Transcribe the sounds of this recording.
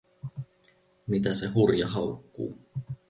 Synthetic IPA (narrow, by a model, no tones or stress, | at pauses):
mit̪æse̞ɦurjɑɦɑukːṵː